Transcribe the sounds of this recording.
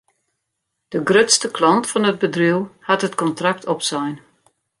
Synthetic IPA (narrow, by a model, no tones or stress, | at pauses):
d̥əɡrøtstəklɑntfɔnəd̚bədriwhatɦətkɔntrak̚tʰɔpsɛjn